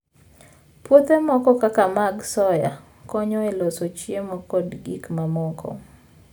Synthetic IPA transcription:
pwot̪emɔkɔkakamaɡsɔja̰ | kɔɲɔelosot͡ʃjemɔkɔdɡikmamɔkʰɔ̰

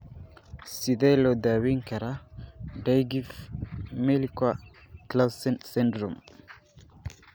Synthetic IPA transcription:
sidɛlɔd̪awiŋkaɾadajɡifmelika | klasɛnsɛndɾɔm

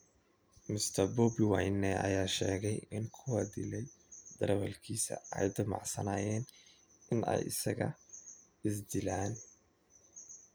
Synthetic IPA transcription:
mɪst̪ʰɐbɔːbɪwajnːɛʔɐ̰jaːʃɛːɣɛjɪnkʰʊwad̪ɪlɛjd̪̥ɐɾwɐlkʰiːsɐ̰ɛ̰jd̪ɐmɑ̰ʕsɐ̰naːjɛːn | ɪnɛ̰jɪ̰sɐɣɐ̰ | ɪs̬d̪ɪlaːn

